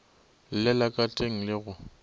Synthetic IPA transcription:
lɪlakʼatʼeŋ̩lɪɣʊ

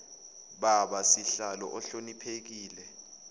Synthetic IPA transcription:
ɓaɓasiɬalɔ̰ʔɔɬonipʰek̬iːlɛ

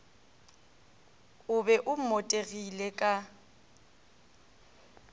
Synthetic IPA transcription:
ʊbɛʔʊm̩motʼeɣilɛkʼa

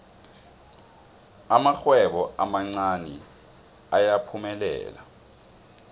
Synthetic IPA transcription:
amaxwɛɓɔamaŋ͡ǀanɛ̰ | ajapʰumɛlɛ̰ːla̰

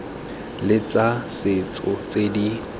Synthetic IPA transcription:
lɪt͡sʼasɪt͡sʼɔt͡sʼedi

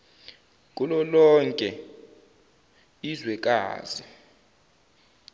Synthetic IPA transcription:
kʼulɔlɔŋkʼɛ | izwɛkʼa̰ːzi

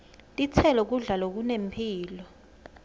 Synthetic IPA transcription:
tʼit͡sʰɛlɔk̬uɮalok̬unempʰiːlɔ

